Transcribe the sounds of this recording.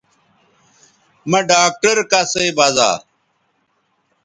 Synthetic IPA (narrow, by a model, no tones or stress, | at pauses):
mɐɖaːk̚ʈɐɾkaseːbaːza̰ː